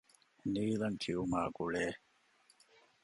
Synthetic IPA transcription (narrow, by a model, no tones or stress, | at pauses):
niːlɐnt̪ʰiuma̰ːɡuɭeː